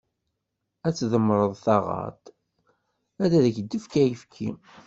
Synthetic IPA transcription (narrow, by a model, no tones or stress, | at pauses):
æt͡sːðəmːɾˤəðˤθɑʁɑ̰t̪ | æðæðæçd̪ːəfkæjəfkʰḭ